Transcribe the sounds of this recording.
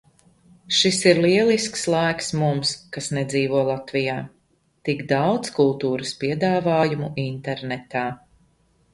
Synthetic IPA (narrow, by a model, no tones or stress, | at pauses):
ʃisiɾliɛlˠiskslˠajksmumskasnɛd̪ziːvuɔlˠat̪vijaː | t̪iɡd̪awt̪skulˠt̪uːɾəspiɛd̪aːvaːjumuʔint̪ɛɾnɛt̪aː